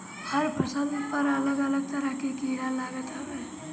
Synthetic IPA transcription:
həɾpəsənd̪pəɾələɡələɡ̚t̪əɾəɦkekiɾalaɡət̪ɦəbe

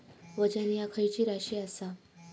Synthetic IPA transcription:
ʋəd͡ʑənijakʰəjt͡ɕiːɾaɕiasa

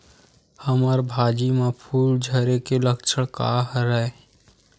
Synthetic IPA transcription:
həməɾbʱaːd͡ʒimapʰuːld͡ʒʱəɾekeləkt͡ʃʰəɽka̰ɦɾae

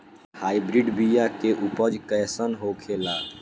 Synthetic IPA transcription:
haibɾiɖbijakeʔupəd͡ʒkəjsənɦokʰela

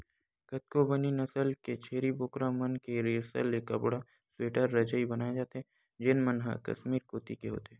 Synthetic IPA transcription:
kɐt̪̚kobɐninɐsəlket͡ʃʰeːɾiboːkɾamɐnkeɾeːsə̰leːkɐ̰bɽa | sweːʈəɾːɐd͡ʒəibɐnaːed͡ʒaːt̪eɦɛ̃ | d͡ʒɪnmənɦa̰kɐ̰ʃmiːɾkoːt̪ikeɦo̰ːt̪eɦɛː

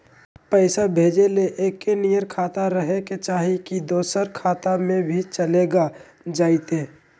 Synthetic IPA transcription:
pəɪsabʱeːd͡ʒeleʔeːkːenijəɾkʰaːt̪aɾəɦeket͡ʃaːɦikid̪oːsəɾkʰaːt̪amẽbʱit͡ʃəleːɡa | d͡ʒaːɪt̪eː

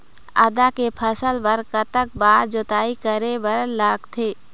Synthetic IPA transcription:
ə̰d̪akepʰəsəlpəɾkət̪ək̚baːɾd͡ʒoːt̪aːikəɾebəɾəlːaːɡt̪ʰeː

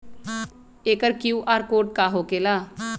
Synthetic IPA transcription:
eːkəɾkjuːʔaːɾkoːʈ̚kaːɦoːkeːlaː

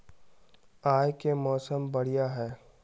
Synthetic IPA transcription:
aːjkemɔːsəmbɐɽ̤ijaɦɛː

